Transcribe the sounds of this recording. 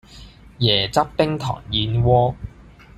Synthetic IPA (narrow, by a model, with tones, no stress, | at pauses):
jɛː˨˩t͡sɐ˥p̚pɪ˥ŋt̪ʰɔ̰ː˨˩ŋjiː˧nwɔː˥